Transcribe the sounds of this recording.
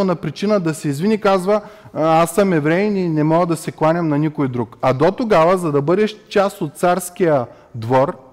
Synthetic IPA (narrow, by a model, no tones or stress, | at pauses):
onɐpɾit͡ʃinəd̪ɐsɛizvinikazvəasːəmɛvɾɛninɛmɔɡəd̪ɐsɛklˠanʲjɐmnɐnʲikojd̪ɾukɐd̪ot̪oɡavəzɐd̪ɐbɤd̪ɛʃt͡ʃast̪ot̪̚t̪saɾskijə | d̪vɔɾ